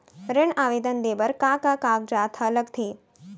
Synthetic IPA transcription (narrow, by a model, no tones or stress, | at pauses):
ɾeɳaʋed̪ənd̪ebəɾkakakak̚d͡ʒat̪ʰələɡt̪ʰe